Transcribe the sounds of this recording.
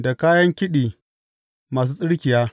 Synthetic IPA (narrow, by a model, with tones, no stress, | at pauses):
da˨kaː˦jɐ˦ŋkʲɪ˦ɗiː˨ | maː˨s̬uː˦sʼɪ˦ɽkʲɪ˨jaː˦